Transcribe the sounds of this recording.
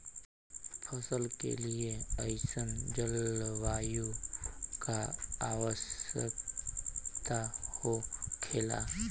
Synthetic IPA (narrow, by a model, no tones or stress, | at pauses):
pʰəsəlkḛlieəɪsənd͡ʒəlʋaːju | kaaːwəsə̰k | t̪ahokʰeːla̰ː